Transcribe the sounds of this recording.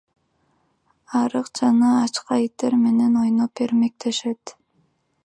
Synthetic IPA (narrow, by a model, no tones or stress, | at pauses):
ɑɾɯqd͡ʒɑnɑːt͡ʃqɑit̪ːe̞ɾme̞ne̞no̞jnope̞ɾme̞k̚t̪ʰe̞ʃe̞t̪